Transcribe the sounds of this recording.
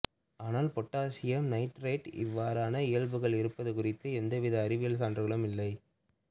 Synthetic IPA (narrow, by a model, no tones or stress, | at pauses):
aːnaːlpɔʈːaːsɪjɐmnɐɪʈɾeɪʈɪ̰ʋːaːɾaːnɐɪjɐɭbɯɣɐɭɪɾɯpːɐðɯkʊrɪt̪ːɯɛnd̪ɐʋɪðɐːɾɪʋɪjɐɭsaːndrɯɣɐɭɯmɪlːɐɪ